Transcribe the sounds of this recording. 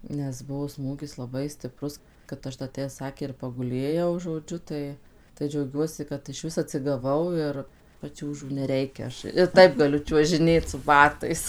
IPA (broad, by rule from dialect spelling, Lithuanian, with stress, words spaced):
nʲɛs ˈbʊʋoː ˈsmuːɡʲɪs lˠɐˈbɐɪ sʲtʲɪˈprʊs kɐt ˈɐʃ dɐ tʲæː ˈsɑːkʲeː ɪr pɐɡʊˈlʲeːjɛʊ ʒoːˈd͡ʒʲʊ ˈtɐɪ tɐɪ d͡ʒʲɛʊˈɡʲuɔsʲɪ kɐt ɪʃʲˈʋʲɪs ɐtʲsʲɪɡɐˈʋɐʊ ɪr pɐˈt͡ʃʲuːʒuː nʲɛˈrʲɛɪkʲɛ ˈɐʃ ɪr ˈtɐɪp ɡɐˈlʲʊ t͡ʃʲuɔʒʲɪˈnʲeːt sʊ bɐˈtɐɪs